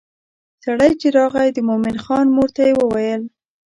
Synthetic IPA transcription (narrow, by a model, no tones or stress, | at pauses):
saɽajt͡ʃɪɾɑɣajd̪əmomɪnxɑnmoɾt̪ajewəwajəl